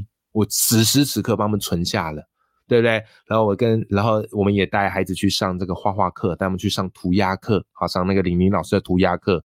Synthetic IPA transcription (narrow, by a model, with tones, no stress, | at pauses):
wɔ˨˩t͡sɹ̩˨˩ʂɻ̩˥sʰɹ̩˧˥kʰɤ˥˧p̬ɑ˥ŋ˨mə˧˦t͡sʰwə˧˥nɕja˥˩lə˩ | t̪we˥˧bət̪we˥˩ɪna˧˥nxo˥˩ʊwɔ˨˩kə˦nla˨˧˥nxo˥˧ʊwɔ˨˩mə˦njɛ˨˩t̪a˥˩ɪxa˧˥ɪd͡zɹ̩˨˩t͡ɕʰy˥˧ʂɑ˥˧ŋʈ͡ʂa˥˩ɡə˩xwa˥˧xwa˥˧kʰɤ˥˧t̪a˥˩˧m˨˦t͡ɕʰy˥˧ʂɑ˥˩ŋt̪ʰu˧˥ja˥kʰɤ˥˩xɑ˨˩ʂɑ˥˧ŋna˥˩ɡə˩li˨˩ŋmi˧˥ŋlɑ˨˩ʊʂɻ̩˥də˨˩t̪ʰu˧˥ja˥kʰɤ˥˩